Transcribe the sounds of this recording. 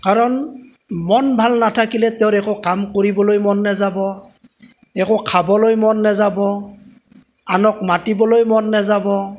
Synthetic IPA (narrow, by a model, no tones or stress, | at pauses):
kaɹɔn | mɔnbʱalnatʰakilɛteʊɾɛkʊkamkoɹibɔlojmɔnːazabɔ | ɛkɔkʰabɔlojmɔnːɛzabɔ | anɔk̚matibɔlojmɔnːɛzabɔ